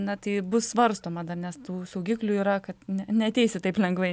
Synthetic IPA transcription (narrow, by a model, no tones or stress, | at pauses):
nɐt̪ɐɪbʊssʋɐrst̪oːmɐd̪ɐrnʲɛst̪uːsɐʊɡʲiːklʲuːiːɾɐkɐt̪nʲɛnʲɛɐt̪ʲɛɪsʲɪt̪ɐɪplʲɛŋɡʋɐɪ